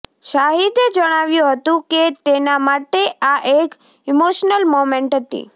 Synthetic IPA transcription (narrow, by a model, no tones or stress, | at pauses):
ʃaɦid̪ed͡ʒəɽ̃aʋjũɦət̪ũket̪enamaʈeʔaʔek | imoʃnəlmomẽɳʈɦət̪ḭ